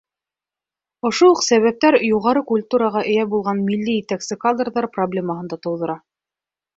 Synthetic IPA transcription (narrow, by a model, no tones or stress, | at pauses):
ŏʃouqsæβæp̚t̪æɾjuʁɑɾɤkulʲt̪uɾɑʁɑʔɘ̆jæbulˠʁɑnmilːijɘt̪æksɘkad̪rðɑɾproblʲeməɦɤ̆nd̪ɑt̪ŏwðɤ̆ɾɑ